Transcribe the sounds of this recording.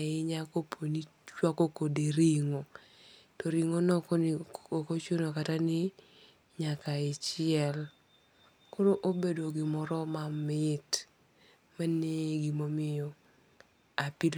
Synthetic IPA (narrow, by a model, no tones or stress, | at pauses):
ɪɲakopʰoni | t͡ʃwakokodeɾiŋo | tɔɾiŋonɔknokot͡ʃonokatanɪ | ɲakaɪt͡ʃɪɛl | koɾoʔobedoɡɪmɔɾɔmamɪt | maneɡimomɪjɔ | apil